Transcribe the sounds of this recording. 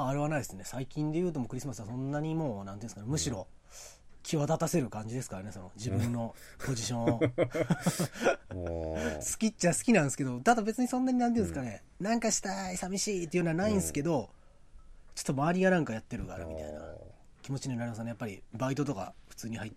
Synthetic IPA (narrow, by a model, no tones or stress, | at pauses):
aːɾeβanaisɨne̞saikʲĩnd̪e̞jɯ̟ːt̪o̞mo̞kɯ̟ɾʲisɨmasɨβasõ̞nːaɲ̟imo̞ːnãnt̪eɯ̃ːsɨkanemɯ̟ɕiɾo̞ | kʲiβat̪at̪ase̞ɾɯ̟kãɲ̟d͡ʑid̪esɨ̥kaɾane̞so̞no̞d͡ʑibɯ̟̃nːo̞ | po̞ʑiɕõ̞ | sɨ̥kʲitt͡ɕːasɨ̥kʲinãsɨ̥ke̞d̪o̞t̪ad̪abe̞t͡sɨɲ̟isõ̞nːaɲ̟inãnt̪̬iɯ̃sɨkane | nãŋkaɕi̥t̪aisamʲiɕiːt̪eijɯnaanaĩɰsɨ̥ke̞d̪o̞ | t͡ɕo̥t̪ːomaːɾʲiɡanãŋkajat̪ːe̞ɾɯka̰ɾa̰mʲit̪a̰ina̰kʲimo̞t͡ɕiɲenaɾimas̬enejapːaɾʲḭbait̪o̞t̪̬o̞ka̰ɸɯ̟̥t͡sɨːɲ̟ihait̪ː